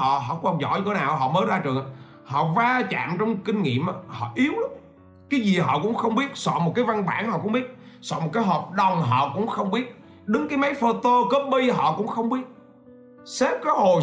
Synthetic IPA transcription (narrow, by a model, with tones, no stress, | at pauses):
ɔ̰˧˨ɦɔ̰˧˨kwaː˧zɔ̰˧˩ɲɨ˧t̪ʰe˨˦naː˨˩wɦɔ̰˧˨məː˨˦zaː˧t͡ɕɨ˨˩ə | hɔ̰˧˨vaː˧t͡ɕa̰ː˧˨mt͡ɕɔ˧wŋ͡mkï˧ŋ̟ŋḭ˧˨əmʔa˨˩hɔ̰˧˨ʔi˨˦əwlɨ˨˦˥ | kaː˨˦jzi˨˩ɦɔ̰˧˨kʊ̰˧˥ŋ͡mxə˧wŋ͡mɓi˦˥ət̚sɔ̰˧˨mo˨˩t̚kaː˨˦jva˧ŋɓa̰ː˧˩nhɔ̰˧˨˩kʊ̰˧˥ŋ͡mɓi˦˥ət̚ | sɔ̰˧˨m˨˩t̚kaː˨˦jɦəː˨˩p̚ɗə˨˩wŋ͡mɦɔ̰˧˨kʊ̰˧˥ŋ͡mxə˧wŋ͡mɓi˦˥ət̚ | ɗɨ˨˦ŋkaː˨˦jma˨˦jfo˧t̪o˧kə˦˥p̚ɓi˧ɦɔ̰˧˨kʊ̰˧˥ŋ͡mxə˧wŋ͡mɓi˦˥ət̚ | sɛ˦˥p̚kɔː˨˦ho˨˩